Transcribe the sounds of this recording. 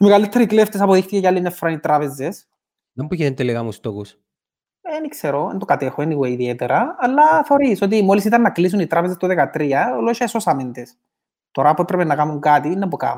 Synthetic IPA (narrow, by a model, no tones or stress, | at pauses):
imeɣalit̪ːeɾikleft̪esɐpoðixt̪icecɐlːinefːɾɐnit̪ɾɐpezes | ɐmbukiðent̪elikɐmust̪oxus | enikseɾoḛnd̪okɐt̪exoeniɣeiðiet̪eɾɐːlːɐθeo̞ɾiso̞t̪̬imo̞lisit̪ɐnːɐklis̬unit̪ɾɐpezest̪oðekɐt̪ɾiɐoloʃɐesosɐmind̪es | t̪o̞ɾɐpuepɾepenːɐkamuŋkat̪inːɐpuka̰